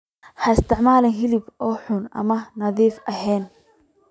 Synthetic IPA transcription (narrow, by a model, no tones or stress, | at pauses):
ħɐɪst̪ɪʕmaːlɐnɦɪlɪbʔɔːħʊnɐ̰mɐnɐðiːfʔɐɦɛːn